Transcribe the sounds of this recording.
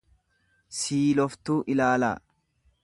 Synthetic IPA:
siːlɔft̪uːʔɪlaːla̰ː

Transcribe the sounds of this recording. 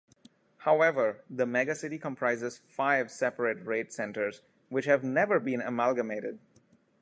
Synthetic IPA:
haʊɛʋəɾd̪əmɛɡəsɪʈikə̃mpʰɾaɪzɪz̥faɪʋsɛpəɾəʈɹeːʈsɛ̃nʈəɾz | wɪt͡ʃhæʋnɛʋəɾbĩːnə̰mælɡəmeːɾɪɖ̚

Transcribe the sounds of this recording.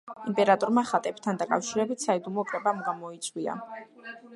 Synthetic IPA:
impʼɛɾat̪ʼɔɾmaχat̪ʼɛp̚t̪ʰand̪akʼafʃiɾɛbit̪ʰsaid̪umɔkʼɾɛbamɡamɔit̪sʼwia̰

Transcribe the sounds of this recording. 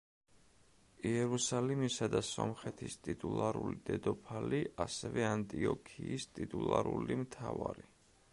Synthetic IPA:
iɛɾusalɛmisad̪asɔmχɛt̪ʰist̪ʼit̪ʼulˠaɾulid̪̥ɛd̪ɔpʰaliʔasɛvɛant̪ʼiɔkʰiːst̪ʼit̪ʼulˠaɾulimt̪ʰavaɾi

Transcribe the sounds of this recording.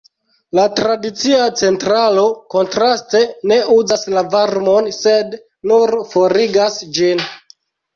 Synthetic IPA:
latɾadit͡siat͡se̞ntɾaloko̞ntɾaste̞ne̞ʔuzaslavaɾmo̞nse̞d | nuɾfo̞ɾiɡasd͡ʒin

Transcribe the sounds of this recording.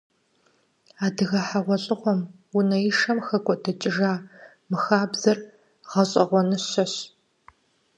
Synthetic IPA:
aːdɨɣɐħaʁʷɔɕʼɪʁʷɔm | unɐjɪʂɐmxɐkʷʼɔdɐt͡ʃʼɪʒaː | mɨxaːbzɐr | ʁɐɕʼɐʁʷɔnɨɕɐɕ

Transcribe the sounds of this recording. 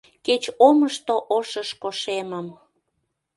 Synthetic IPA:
ket͡ɕoməʃt̪oʔoʃəʃkoʃeməm

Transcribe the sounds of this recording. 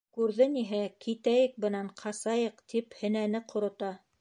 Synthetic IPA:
kʉɾðɘniɦækit̪æjɘk̚bɤ̆nɑɴqʰɑsɑjɤqt̪ʰiphɘ̆nænɘqʰŏɾŏt̪ɑ

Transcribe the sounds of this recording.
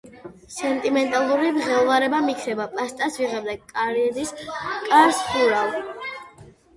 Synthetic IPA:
sɛnt̪ʼimɛnt̪ʼalˠuɾidʁɛlˠvaɾɛbamikʰnɛbapʼast̪ʼasviʁɛbd̪ɛkʼaɾɛd̪iskʼaɾsχuɾalˠ

